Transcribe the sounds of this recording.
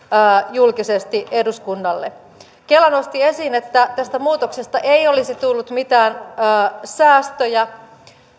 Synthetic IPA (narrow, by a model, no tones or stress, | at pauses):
julkisest̪iʔeduskunːɑlːḛ | kelːɑno̞st̪ie̞siːnet̪ːæt̪æst̪æmuːt̪oksest̪ɑʔeio̞lisit̪ulːut̪mit̪æːnː | sæːst̪øjæ